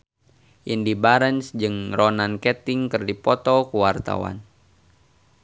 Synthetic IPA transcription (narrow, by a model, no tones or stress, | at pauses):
ʔindibaɾənsd͡ʒɨŋrɔnankɛt̪ɪŋkɨrdipɔt̪ɔkuwart̪a̰wa̰n